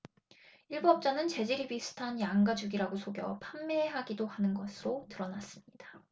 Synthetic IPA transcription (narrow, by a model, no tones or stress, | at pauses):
iɭbuʌp̚t͡ɕ͈anɯnt͡ɕe̞d͡ʑiɾibisʰɯ̥tʰaɲjaŋɡad͡ʑuɡiɾaɡosʰoɡjʌ̰pʰamːeeɦaɡidohanɯnɡʌsʰɯɾotɯɾʌnas͈ɯmɲid̥ḁ